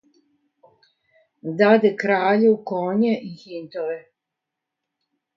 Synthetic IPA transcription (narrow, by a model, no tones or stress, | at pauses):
d̪ad̪ekɾaːʎukoːɲeʔihint̪oʋe